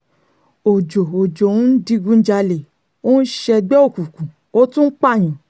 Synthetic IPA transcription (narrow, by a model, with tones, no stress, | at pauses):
o˨d͡ʒo˨o˨d͡ʒõ˨˦n̩˦di˧ɡũ˧˦n̩˦d͡ʒa˧le˨ | o˦n̩˦ʃɛ˧ɡ͡bɛ˦o˦˨ku˨kũ˨ | o˦tũ˦k͡pa˦˨j̃ã˨